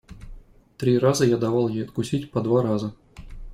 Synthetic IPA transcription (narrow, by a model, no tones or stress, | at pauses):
t̪ɾʲirazəjad̪avɑlˠjejɐt̪kusʲitʲpɐd̪vaɾazə